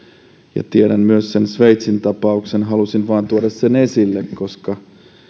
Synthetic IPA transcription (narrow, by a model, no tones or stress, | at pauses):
jɑ̰t̪ieɾænmyøsːensʋejt̪sint̪ɑpɑuksenɦɑlusinʋɑːnt̪uoɾɑssenesilːekkoskɑ